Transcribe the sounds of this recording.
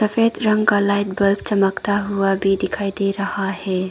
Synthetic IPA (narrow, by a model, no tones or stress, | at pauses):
sɐpʰetɾɐŋkalajt̚bɐlp̚t͡ʃɐmɐktaɦuwabid̪ikʰajd̪ejɾɐhahe